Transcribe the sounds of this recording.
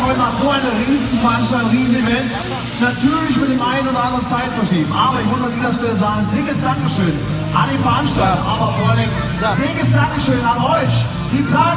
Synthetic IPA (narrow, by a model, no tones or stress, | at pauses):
vɔtmaːzoːaɪnəʁiːsn̩fɛɐʔanʃtalt̚diːzn̩ivɛnt | natʰyːɐlɪç̬mɪt̚d̥eːmʔaɪnoːdɐʔãndəʁənt͡saɪtfɐʃl̥iːɡm̩ʔaːbɐɪçmʊsandiːzɐʃtɛləzaːɡŋ̩dɪŋkəsd̥aŋkəʃøːn | ʔa̰ndeːnfɛɐʔanʃtaltʔaːbɐfɔalndɪŋ | d̥aːd̥ɪkəsd̥aŋkəʃøːnanɔʏç | d̥iːplaː